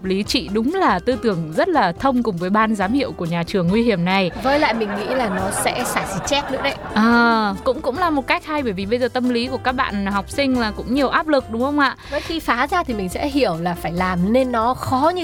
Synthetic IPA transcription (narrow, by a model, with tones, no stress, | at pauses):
p̚li˨˦t͡ɕḭ˧˨ɗʊ˨˦ŋ͡mlaː˨˩t̪ɨ˧t̪ɨ˧˩əŋzə˦˥t̚laː˨˩t̪ʰə˧wŋ͡mkʊ˨˩ŋ͡mvəː˨˦jɓaː˧nzaː˨˦mhḭ˧˨əwku˧˩əɲaː˨˩t͡ɕɨ˨˩əŋːwi˧hi˧˩əmna˨˩jvəː˨˦jla̰ː˧˨jmï˨˩ŋ̟ŋḭ˧˥laː˨˩nɔ˨˦sɛ̰˧˥saː˧˩si˧˩t͡ɕɛ˦˥t̚nɨ̰˧˥əɗə˧˦jʔəː˨˩kʊ̰˧˥ŋ͡mkʊ̰˧˥ŋ͡mlaː˨˩mo˨˩ka˦˥jk̟̚ha˧jɓəː˧˩jvi˨˩ɓə˧jzəː˨˩t̪ə˧mli˨˦ku˧˩əkaː˦˥k̚ɓa̰ː˧˨nɦa˨˩wk͡p̚sï˧ŋ̟laː˨˩kʊ̰˧˥ŋ͡mɲi˨˩əwʔaː˦˥p̚lɨ˨˩k̚ɗʊ˨˦ŋ͡mxə˧ŋ͡mʔa̰ː˧˨əː˨˦jxi˧faː˨˦zaː˧t̪ʰi˨˩mï˨˩ŋ̟sɛ̰˧˥ɦi˧˩əwlaː˨˩faː˧˩jlaː˨˩mne˧nːɔ˨˦xɔ˨˦ɲɨ˧